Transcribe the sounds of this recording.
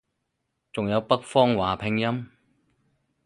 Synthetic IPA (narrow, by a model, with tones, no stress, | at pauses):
t͡sʊ˨ŋjɐ˨˧wpɐ˥k̚fɔː˥ŋwaː˨˩pʰɪ˧ŋjɐ˥m